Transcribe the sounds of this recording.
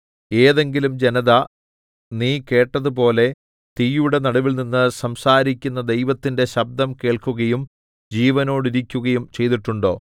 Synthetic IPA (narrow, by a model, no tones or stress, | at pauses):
e̞ːðe̞ŋɡilumd͡ʑenɐðɐ | niːke̞ːʈːɐðup̬o̞ːle̞ | t̪ijuɽe̞nɐɽuʋilninːɨsɐmsaːɾikʲːunːɐd̪e̞jʋɐt̪ːinde̞ɕɐb̚d̪ɐmke̞ːɭkuɣɐjum | d͡ʑiːʋɐno̞ːɽiɾikʲːuɣɐjumt͡ɕe̞jt̪iʈːuɳɖo̞ː